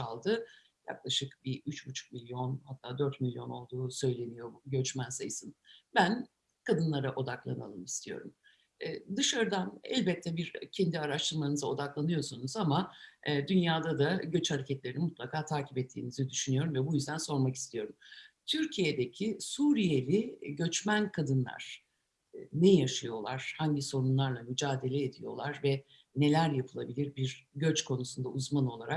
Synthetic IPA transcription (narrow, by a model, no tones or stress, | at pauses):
alˠd̪ɯ | ja̰klˠaʃɯkbiyt͡ʃbut͡ʃʰu̥k̚milʲjo̞nhat̪ʰːaːd̪øɾt̪milʲjo̞no̞lˠd̪uːsø̞jlʲe̞nijo̞bɟø̞t͡ʃmænsajɯsɯnbæn | kʰad̪ɯnlˠaɾaʔo̞d̪aklˠana̰lˠɯmist̪ʰijo̞̰ɾum | ɛːd̪ɯʃaɾd̪anɛ̰lʲbɛt̪ʰːɛbiɾcʰɛnd̪iaɾaʃt̪ʰɯɾmanɯzao̞d̪aklˠanɯjo̞sunuzamad̪ynjaːd̪ad̪aɟø̞t͡ʃhaɾecʰɛt̪lʲe̞ɾinimut̪lˠakʰaːt̪ʰaːcʰipɛt̪ʰːḭːnizid̪yʃynyjo̞ɾumvɛbujyzd̪ænso̞ɾmaki̥st̪ʰijo̞ɾumt̪ʰyɾcʰije̞d̪e̞cʰisuːɾije̞lʲɪɟø̞t͡ʃmænkʰad̪ɯnlˠa̰ɾ̥ | nɛjaʃajo̞lˠaɾ̥haɲɟiso̞ɾunlˠaɾlˠamyd͡ʒaːd̪e̞lʲɛed̪ijo̞̰lˠaɾvɛ | ne̞lʲæɾjapʰɯlˠabilʲiɾbiɾɟøt͡ʃkʰo̞nusund̪auzmano̞lˠaɾak̚